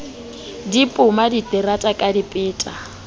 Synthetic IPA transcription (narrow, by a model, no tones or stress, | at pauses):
dipʼʊmaditʼɪɾatʼakʼadipʼɪːtʼa